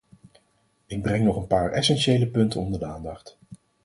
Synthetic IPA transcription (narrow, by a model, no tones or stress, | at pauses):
ɪɡ̚brɛŋnɔχənpaːɹɛsɛnʃejləpɵntənɔndəɹdəaːndɑχt